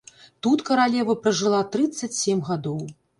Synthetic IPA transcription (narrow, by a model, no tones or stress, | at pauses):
t̪ut̪kɐɾalʲɛvɐpɾɐʐɨlˠat̪ɾɨt̪sːɐt͡sʲsʲɛmɣad̪ɔw